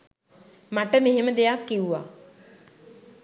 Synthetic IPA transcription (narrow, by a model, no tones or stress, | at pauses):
maʈəmeɦeməd̪ejakːiuʋa̰ː